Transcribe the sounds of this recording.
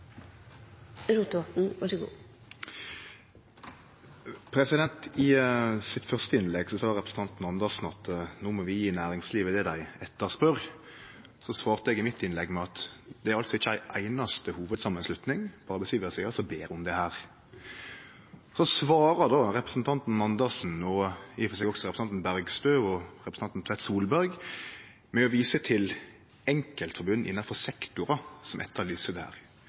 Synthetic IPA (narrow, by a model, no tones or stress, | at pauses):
ɾuːt̪ɔt̪n̩ʋɑʂəɡṵː | pʰɾɛsɪd̪ɛnt̪ɪsɪt̪fœʁst̪əɪnlɛɡsɔsɑːdəʁɛpɾəsn̩t̪ɑnt̪n̩ɑnd̪əʁsn̩ɑt̪noːmɔʋɪjiːnæːɾɪŋsliːʋəd̪ɛd̪æɪɛt̪ːəʁspœʁ | sɔsʋɑːʁt̪əɛɡɪmɪt̪ːɪnlɛɡːmɛɑt̪d̪̥ɛæɾɑlt̪sɔɪçːəæɪʔæɪnɑst̪əhuːʋəd̪sɑmːənslʉt̪nɪŋb̥ɑːɾəbəskiːʋəsæɡɑlsɔbeːɾʊmd̪ɛhæːɾ | sɔsʋɑːɾəd̪oːɾɛpɾəsn̩t̪ʰɑnt̪n̩nːɑnd̪əʁsn̩ɔɪfɔsɛɡɔɡsɔɾɛpɾəsɑnt̪n̩bæɾɡst̪øːɔɾɛpɾə̥n̩ɑnt̪n̩t̪ʰʋɛt̪suːlbæɾɡ | mɛɔʋiːsət̪ʰɪl | ɛŋkəlt̪fɔɾbʉnːʔɪ̰nːɑfɔʁsɛkt̪ʊɾɑsɔmʔɛ̰t̪ːəlyːsəd̪ɛhæ̰ːɾ